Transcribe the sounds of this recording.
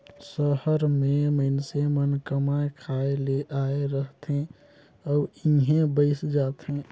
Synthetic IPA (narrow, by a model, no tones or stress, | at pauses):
səhəɾmẽməɪnsemənkəmaekʰaeleʔaeɾəɦt̪ɦẽ | ɔːiɦẽbəɪsd͡ʒaːt̪ɦẽ